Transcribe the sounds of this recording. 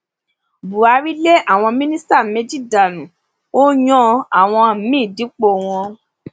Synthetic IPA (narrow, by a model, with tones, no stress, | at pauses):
bu˨a˨˧˦ɾi˦le˦ʔa˦˨w̃ɔ̃˧mĩ˦nĩ˦sta˦˨me˨˦d͡ʒi˦˨da˨nũ˨ | o˦j̃ɔ̃˦a˨w̃ɔ̃˧˨mĩː˦˨di˨˦k͡po˦˨w̃ɔ̃˧